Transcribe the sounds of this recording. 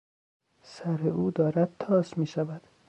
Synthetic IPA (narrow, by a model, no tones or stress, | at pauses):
sæɾeuːd̪ɒːɾæd̪̚t̪ʰɒːsmiːʃævæd̪̥